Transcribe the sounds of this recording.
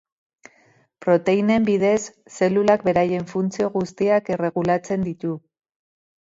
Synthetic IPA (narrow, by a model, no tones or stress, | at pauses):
pɾo̞t̪e̞ine̞mbið̞e̞sːe̞lulak̚be̞ɾaje̞ɱfunt͡sio̞ɣust̪iake̞re̞ɣulat͡se̞nd̪it̪u